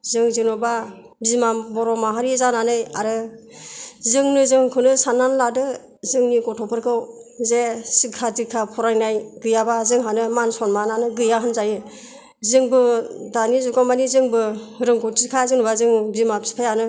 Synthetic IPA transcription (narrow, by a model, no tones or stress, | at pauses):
zɯŋzɯŋnɔba | bizmabɔɾɔmaɦaɾizananɯjaɾɯ | zɯŋnɯzɯŋkʰɯnɯsanːanladɯ | zɯŋniɡɔtʰɔpʰɯɾkʰɯwzesɯkʰːadikʰapʰɔɾajnajɡɯjabazɯŋɦanɯmansɔnmananɯɡɯjaɦɯnzajɯ | zɯŋbɯdanizukamanizɯŋbɯɾɯŋkʰɔtikʰazɯŋnɔbazɯŋbizmapsi̥pʰajanɯ